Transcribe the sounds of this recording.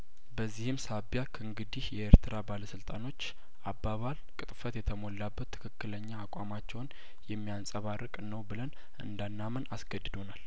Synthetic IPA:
bəzːihɨmsabjakʰəɨŋɡɨd̪ihjɛeɾt̪ʰɨɾabaləsɨlt̪ʼano̞t͡ʃː | ʔabːaβalkʼɨt̪ʼfət̪jɛt̪ʰəmo̞lːabːət̪ʰːɨ̥kʰɨkːɨləɲːaːkʷʼamat͡ʃːɛwn | jɛmːijansʼəβarːəkʼnəwbɨlən | ɨ̰nd̪anːamənasɡəd̪ːɨd̪o̞nal

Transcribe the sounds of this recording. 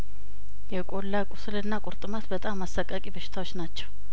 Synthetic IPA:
jɛkʼolːakʼʊsɨlɨnːakʷʼʊɾt̪ʼɨmat̪bət̪ʼamːasːakʼːəkʼibəʃɪ̥t̪ʰawot͡ʃːnat͡ʃːɛ̥w

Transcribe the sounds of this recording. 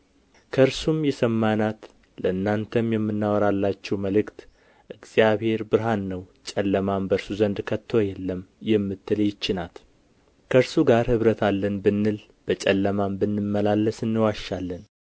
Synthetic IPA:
kʰəɨɾsumjɛsəmːanat̪ | ləɨnːant̪ʰəmjɛmːɨnːawɔɾalːat͡ʃːɛwməlɨkt̪ | ʔɨɡz̥jaβhe̞ɾbɨɾɦanːəwt͡ʃʼɛlːəmambəɾsuzənd̪kʰət̪ʰːojɛlːəmjɛmːɨt̪ʰːɨləjɪt͡ʃːɪnat̪ | kʰəɨɾsuɡaɾhɨβɾət̪ʰalːənbɨnːɨl | b̥ət͡ʃʼɛlːəmambɨnːɨmːəlalːəsɨnːɨwaʃːalːən

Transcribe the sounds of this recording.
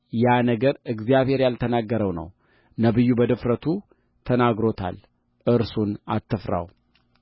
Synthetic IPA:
janəɡəɾɨɡzijaβhe̞ɾjalt̪ʰənaɡːəɾəwnə̰w | nəbɨjːubəd̪ɨfɾət̪ʰu | t̪ʰənaɡɾo̞t̪ʰa̰l | ʔɨɾsuna̰t̪ʰːɨfɾa̰w

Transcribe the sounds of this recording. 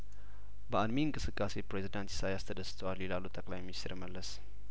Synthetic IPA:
bəad̪minkʼɨsɨkʼːasepɾezidant̪i̥sajast̪ʰəd̪əst̪ʰəwalilalːut̪ʼʰəkʼlajminist̪ʰəɾməlːəs

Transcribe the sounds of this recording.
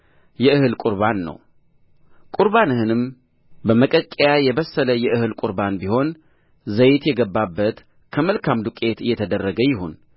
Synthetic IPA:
jɛɨhɨlkʼuɾβanːə̰w | kʼuɾbanɨhɨnɨm | bəməkʼəkʼːejajɛβəsːələjɛʔɨhɨlkʼuɾbanbiho̞n | zəjt̪jɛɡəbːabːət̪ | kʰəməlkʰamd̪ukʼe̞t̪ɨjːɛt̪ʰəd̪ərːəɡəjɪhun

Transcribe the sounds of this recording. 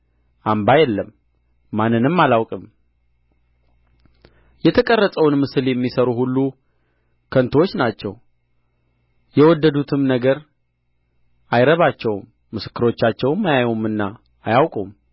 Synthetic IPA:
ʔambajɛlːəmː | anːɨnɨmːalawkʼɨm | jɛt̪ʰəkʼərːəsʼəwnmɨsɨljɛmːisəɾuhulːu | kʰənt̪ʰwo̞t͡ʃːnat͡ʃːɛ̰w | jɛwɔd̪ːəd̪ut̪ʰɨmnəɡəɾ | ajɾəβat͡ʃːɛwmːɨsɨ̥kːɨɾo̞t͡ʃːat͡ʃːɛwɨmajajumɨnːaː | jawkʼum

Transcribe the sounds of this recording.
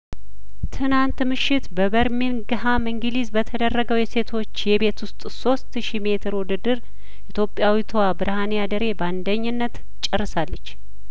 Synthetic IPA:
t̪ʰɨnant̪mɨʃːɪt̪bəβəɾminɡɨɦamɨŋɡɨlizbət̪ʰəd̪ərːəɡəwjɛse̞t̪ʰo̞t͡ʃːjɛbe̞t̪ʰwʊst̪ʼso̞st̪ʃime̞t̪ʰɨɾwud̪ɨd̪ɨɾ | ʔit̪jo̞pʼjawit̪ʰwabɨɾɨhanijad̪əɾe̞band̪əɲːɪnːət̪ | t͡ʃʼːɪrːɨsalːət͡ʃː

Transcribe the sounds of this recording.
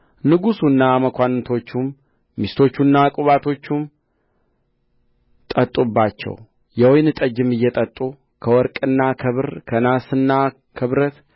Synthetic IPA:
nɨɡusunːaməkʰʷant̪ʰo̞t͡ʃːumː | ist̪ʰo̞t͡ʃːunːakʼuβat̪ʰo̞t͡ʃːum | t̪ʼət̪ʼːubːat͡ʃːɛ̰w | jɛwɔjnɨt̪ʼəd͡ʒɪmɨjːɛt̪ʼət̪ʼːu | kʰəwɔɾkʼɨnːakʰɨβɨɾkʰənasɨnːa | kʰɨβɾət̪

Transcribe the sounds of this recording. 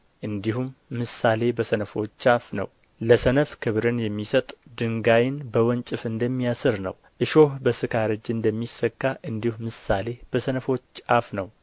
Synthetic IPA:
ʔɨnd̪ihumːɨsale̞bəsənəfo̞t͡ʃːafnə̰w | ləsənəfkʰɨβɾɨnjɛmːisət̪ʼd̪ɨŋɡajɪnbəwɔnt͡ʃʼɨfɨnd̪əmːijasɨɾnə̰w | ʔɨʃohbəsɨkʰaɾɨd͡ʒɨnd̪əmːisːəkːaʔɨnd̪ihumɨsale̞b̥əsənəfo̞t͡ʃːafnəw

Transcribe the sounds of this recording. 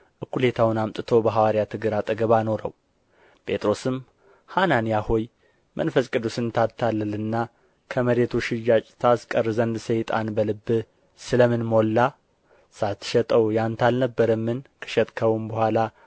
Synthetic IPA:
ʔɨkʰːule̞t̪ʰawnamt̪ʼɨt̪ʰo̞bəɦawaɾijat̪ʰɨɡɨɾat̪ʼɨɡəβano̞ɾə̰w | pʰʼe̞t̪ʼɾo̞sɨm | hananijaho̞j | mə̰nfəskʼɨd̪usɨnt̪ʰat̪ʰːalːəlɨnːa | kʰəməɾet̪ʰuʃɪjːat͡ʃʼt̪ʰaskʼərzənd̪sejt̪ʼanbəlɨbːɨ | sɨləmɨnmo̞lːa | sat̪ʰːɨ̥ʃɛt̪ʼəwjant̪ʰalnəbːəɾəmːɨnkʰə̥ʃɛt̪ʼkʰəwumbəhʷala

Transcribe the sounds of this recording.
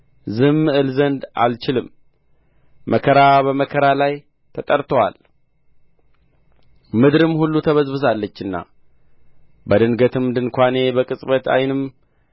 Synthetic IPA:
zɨmːɨʔɨlzənd̪a̰lt͡ʃɪlɨm | əkʰəɾabəməkʰəɾalaj | t̪ʰət̪ʼəɾt̪ʰəwa̰l | mɨd̪ɾɨmhulːut̪ʰəβəzbɨzalːət͡ʃːɨnːa̰ | bəd̪ɨnɡət̪ʰɨmd̪ɨnkʷane̞bəkʼɨsʼbət̪a̰jnɨm

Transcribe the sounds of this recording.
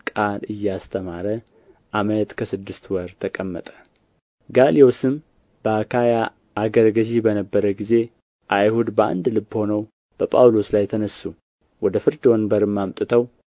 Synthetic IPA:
kʼalɨjːɛast̪ʰəmaɾə | ʔaməjt̪kʰəsɨd̪ːɨst̪wəɾt̪ʰəkʼəmːə̰t̪ʼə̥ | ɡaliosɨm | b̥əakʰaja | ʔaɡəɾɡəʒibənəbːəɾəɡize̞ | ʔajhud̪bəa̰nd̪lɨbːho̞nəw | b̥əpʼawlo̞slajt̪ʰənəsːu | wɔd̪əfɨɾd͡ʒ̪onbəɾɨmːamt̪ʼɨt̪ʰəw

